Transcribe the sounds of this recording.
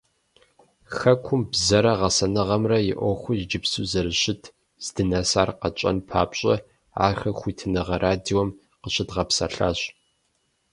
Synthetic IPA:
xɐkʷʰʊmbzɐɾɐʁɐsɐnɨʁɐmrɐjɪʔʷɔxʷʊzd͡ʒɪpsuːzɐɾɨɕɪtʰ | z̥dɨnɐsaːrqɐt͡ʃʼɐ̰npʰaːpɕʼɐ | a̰ːxɐxʷiːtʰɨnɨʁɐɾʔaːdiːwɔm | qəɕʼɪtʁɐpsɐ̰ɬa̰ːɕ

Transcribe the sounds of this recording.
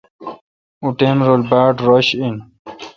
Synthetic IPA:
uʈemɾolbaːʈɾʌɕin

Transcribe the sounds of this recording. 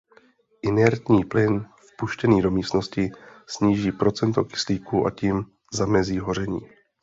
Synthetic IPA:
ʔɪnɛɾt̪ɲiːplɪnfpuʃcɛniːdo̞miːst̪no̞scɪsɲiːʒiːpɾo̞t͡sɛnt̪o̞̰kɪ̥sliːkuʔa̰ciːm | zamɛziːɦo̞r̝ɛɲiː

